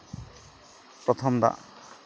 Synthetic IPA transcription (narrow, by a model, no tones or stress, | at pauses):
pɾɔt̪ʰɔmd̪a̰ʔ